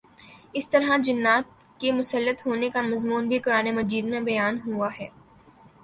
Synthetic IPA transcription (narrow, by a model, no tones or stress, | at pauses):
ɪst̪ɐɾɦad͡ʒɪnːaːt̪̚ | kemʊsəlːət̪ɦoːnekamɐzmuːnbʱikʊɾaːnemɐd͡ʒiːd̪mẽbɐjaːnɦuaɦɛː